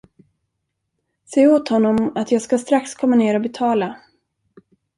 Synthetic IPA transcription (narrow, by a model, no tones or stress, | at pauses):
seːoːt̪hɔnːɔmat̪jɑːɡskast̪ɾakskʰɔmːaneːɾɔbɛt̪ʰɑːla